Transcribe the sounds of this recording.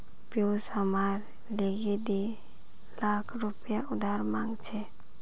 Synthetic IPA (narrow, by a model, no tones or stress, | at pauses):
pjosamaɾ | leɡed̪i | lakʰɾupjaud̪aɾmãŋɡt͡ʃʰɛ